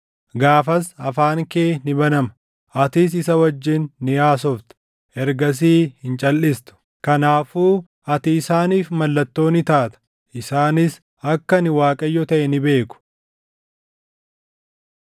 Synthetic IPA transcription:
ɡaːfɐsɐfaːŋkeːnɪbɐnɐmɐ̥ | ʔɐt̪ɪs̬ɪsɐwɐd͡ʒːɪnːɪjaːs̬ɔft̪ɛ̥ | ʔɛɾɡɐs̬iːhɪnt͡ʃʼɐlːɪst̪ʊ̥ | kɐnaːfuː | ɐt̪ɪːsaːniːfmɐlːɐt̪ːo̞ːnɪt̪aːt̪ɐ̥ | ʔɪsaːnɪs | ɐkːɐnɪwaːkʼɐjːɔt̪ɐʔɛnɪbe̞ːkʊ̥

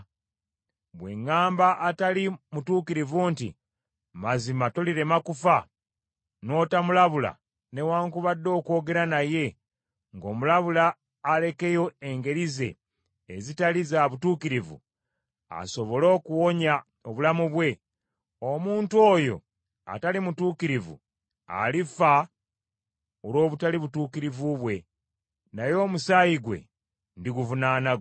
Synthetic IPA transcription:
βwe̞ŋːaːmbaʔːtalimutuːkiɾivuntḭ | mazimatoliɾe̞makufa | no̞ːtamulaβula̰ | ne̞waːŋkuβadːo̞ːko̞ːɡe̞ɾanaje̞ | ŋɡo̞ːmulaβulaː | le̞ke̞jo̞eŋɡe̞ɾize̞̰ː | zitalizaβutuːkiɾivṵ | a̰so̞βo̞lo̞ːkuwo̞ɲa | oβulamuβwe̞ | omuːnto̞jo̞̰ | a̰talimutuːkiɾivṵ | a̰lifa | oɾo̞ːβutaliβutuːkiɾivuβwe̞ | najo̞ːmusaːjiɡwe̞̰ | ndiɡuvunaːna

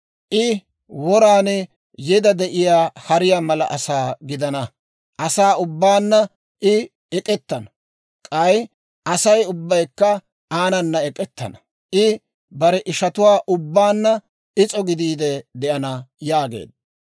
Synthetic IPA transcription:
ʔɪ | wɔɾaːnɛ | jɛd̪ɐd̪ɛʔɪjaːhɐɾɪjaːmɐlɐʔɐsaːɡɪd̪ɐnɐ | ʔɐsaːʊbːaːnːɐ | ʔɪ | ɛkʼɛt̪ːɐnɐ | kʼɐj | ʔɐsɐjʊbːɐjkːɐ | aːnɐnːɐɛkʼɛt̪ːɐ̰nɐ̥ | ʔɪ | bɐɾɛʔɪʃɐt̪ʊwaːʔʊbːaːnːɐ | ɪt͡sʼɔɡɪd̪iːd̪ɛd̪ɛʔɐnɐjaːɡḛːd̪̚ːɐ

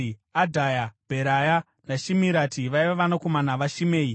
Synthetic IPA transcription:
adʱajab̥ʱeɾaja | naʃimiɾatiʋaiʋaʋanakomanaʋaʃimeːi

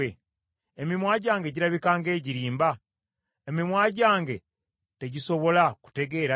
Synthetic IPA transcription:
e | emimwaːɟaːŋɡe̞ɟiɾaβikaːŋɡe̞ːɟiɾiːmba | emimwaːɟaːŋɡe̞ | te̞ɟiso̞βo̞laku̥te̞ɡe̞ɾa

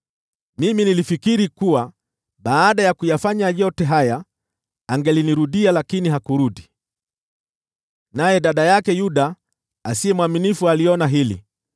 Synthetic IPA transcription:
miminilifikiɾikuwa | ɓaːɗajakujafaɲaʄɔtɛɦaja | aŋɡɛliniɾuɗialakiniɦakuɾuɗi | najɛɗaɗajakɛjuɗa | asiɛmwaminifualiɔnaɦilḭ

